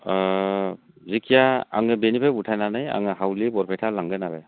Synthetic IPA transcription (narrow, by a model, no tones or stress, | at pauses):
zikʰijaaŋɯbenipʰaputʰajnanaja̰ŋɯɦawlibɔɾpʰajtʰalaŋɡɯnabɛ